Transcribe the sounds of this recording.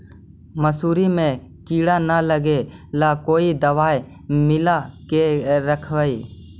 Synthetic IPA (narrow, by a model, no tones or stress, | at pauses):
məsuːɾimẽ | kiːɽanələɡelaːkoːid̪əʋaːj | mɪlakeɾəkʰʋəiː